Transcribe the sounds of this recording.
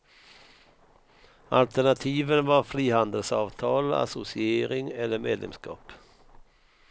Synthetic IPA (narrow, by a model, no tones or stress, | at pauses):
a̰lt̪æɳat̪ʰiːvənvɑɾfɾiːhand̪əlsɑːvt̪ʰɑːla̰sʊsɪeːɾɪŋɛlːəɾmḛːd̪lɛ̰mskɑ̰ːp